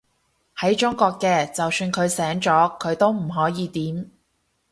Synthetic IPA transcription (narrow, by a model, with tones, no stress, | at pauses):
hɐ˨˥jt͡ʃʊ˥ŋkʷɔː˧kːɛː˧t͡sɐ˨wsyː˧nkʰɵ˨˧ɥsɛː˨˥ŋt͡sɔː˨˥kʰɵ˨˧ɥt̪o˥wm̩˨˩ɦɔː˨˥jiː˨˧t̪iː˨˥m